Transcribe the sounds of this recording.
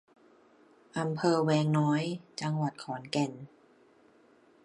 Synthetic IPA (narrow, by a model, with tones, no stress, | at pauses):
ʔa˧mpʰɤː˧wɛː˧ŋnɔː˦˥jt͡ɕa˧ŋwa˨˩t̪̚kʰɔː˩˦nkɛ˨˩n